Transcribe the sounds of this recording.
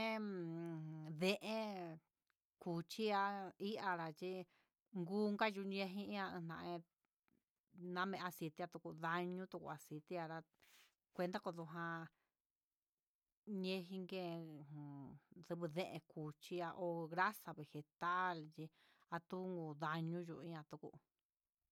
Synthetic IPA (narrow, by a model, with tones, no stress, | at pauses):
ẽ˦ | ðẽ˧ʔẽ˦ | ku˨t͡ʃi˦a˧i˦ʔa˧ɾa˧t͡ʃi˦ | ŋɡuː˦ŋɡa˦ʒu˧ɲẽ˧ɦĩ˦ã˧ɨ̃˧nã˧ʔẽ˧ | nã˦mẽ˧a˧si˧t̪i˧˦a˧t̪u˧ku˧ða˧ɲũ˦t̪u˧kṵ˧a˨si˧t̪i˧a˧ɾa˧ | kʷe˧nd̪a˦ko˧ðu˧ɦã˧ | ɲẽ˧ɦi˧ŋɡẽ˦˧˨ | ðɨ˧βɨ˧ðẽ˦ʔẽ˧ku˨t͡ʃi˧a˧ʔo˧ɣɾa˦sa˧βe˨he˨t̪a˦lt͡ʃi˧ | a˧t̪u˦˧ŋɡu˧˨ða˧ɲũ˦ʒu˧i˦ã˧t̪u˧kṵ˧